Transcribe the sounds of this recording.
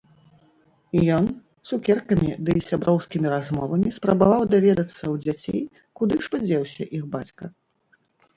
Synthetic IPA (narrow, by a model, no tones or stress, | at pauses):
ijɔn | sukʲɛrkɐmʲid̪ɨsʲabɾɔwskʲimʲiɾazmɔvɐmʲispɾɐbavawd̪avʲɛd̪ɐt̪sːɐwd͡zʲat͡sʲḛj | kud̪ɨʂpɨd͡zʲɛwsʲɐʔixbat͡sʲkɐ